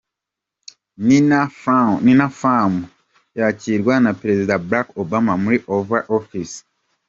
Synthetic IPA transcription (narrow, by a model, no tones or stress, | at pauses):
ni | ninafamu | jaciɾwanapɾezidabɾakobamamuɾiʔovaʔofis